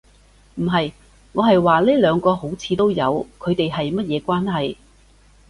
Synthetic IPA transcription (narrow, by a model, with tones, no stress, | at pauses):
m̩˨˩ɦɐ˨j | ŋɔː˨˧ɦɐ˨jwaː˨liː˥lœː˨˧ŋkɔː˧ho˨˥wt͡sʰiː˨˧t̪o˥wjɐ̰˨˧wkʰɵ˨˧ɥt̪e˨jɦɐ˨jmɐ˥t̚jɛː˨˧kʷaː˥nɦɐ˨j